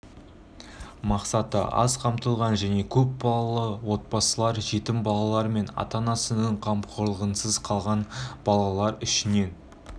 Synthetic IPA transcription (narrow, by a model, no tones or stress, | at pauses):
mɑqsɑt̪ə̰ʔɑ̰zqʰɑmt̪əlˠʁɑnʒæne̞kʲʰɵp̚bɑlˠɑlˠəwo̞t̪̚pɑsəlˠɑɾʒe̞t̪ɪmbɑlˠɑlˠɑɾme̞nɑ̰t̪ɑnɑsənəɴqʰɑmpqʰoɾlˠəʁənsəzqʰɑlˠʁɑnb̥ɑlˠɑlˠɑɾʏʃɪne̞n